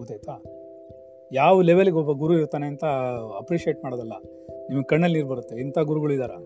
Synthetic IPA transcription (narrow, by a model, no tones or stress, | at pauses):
ut̪ɐjt̪aː | jaːʋɐleʋeliɡeɔbːɐɡuɾuiɾt̪aːneɐnt̪ɐɐpɾiʃieʈmaːɽɐd̪ɐlːɐ | niːmɐɡkɐɳːɐlniːɾbɐɾut̪ːeint̪ʰaːɡuɾuɡɐɭuid̪aːɾɐ